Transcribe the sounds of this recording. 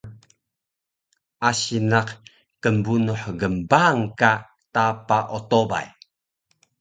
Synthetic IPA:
asinaq | kəmbunuħɡəmbaŋka | tapaʔot̪oba̰j

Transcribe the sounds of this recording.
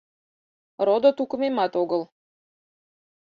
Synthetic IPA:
rod̪ot̪ukə̆memɑt̪oɣəl

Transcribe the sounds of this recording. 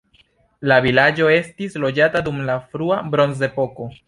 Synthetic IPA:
lavilad͡ʒo̞e̞stislo̞d͡ʒatadumlafɾuabɾo̞nze̞po̞ko̞

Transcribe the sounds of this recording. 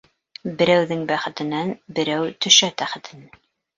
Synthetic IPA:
bɘ̆ɾæwðɘŋbæχɘ̆t̪ɘ̆nænbɘ̆ɾæwt̪ʰɵ̆ʃæt̪æχɘ̆t̪ʰɘ̆næ

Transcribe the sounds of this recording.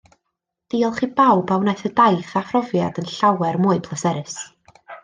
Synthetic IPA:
d̥iːɔlˠχiːbawbawnajθədajθafrɔvjadənɬawɛrmʊɨpʰlˠəsɛɾɨs

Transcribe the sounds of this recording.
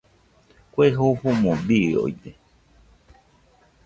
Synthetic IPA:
kʷeɦoɸũmõbio̰jt̪e

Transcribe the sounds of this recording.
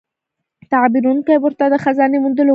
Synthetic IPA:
t̪aʕbiːɾuːnkajbʊɾt̪ad̪axazaːnimʊnd̪ʊl

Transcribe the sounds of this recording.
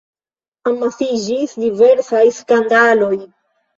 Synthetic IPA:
amasid͡ʒisdive̞ɾsajskandalo̞j

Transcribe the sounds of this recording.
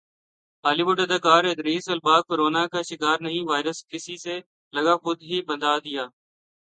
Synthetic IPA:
ɦaːliːʋʊʈəd̪əkaːɾed̪ɾiːsəlbaːb̚koːɾoːnaːkaːʃɪkaːɾnəɦĩːʋaːɪɾəskɪsiːseː | ləɠaːxʊd̪ɦiːbənd̪aːd̪ɪjaː

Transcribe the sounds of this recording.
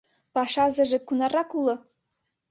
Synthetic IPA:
pɑʃɑzɘ̆ʒĕkunɑrɑkulˠɤ̆

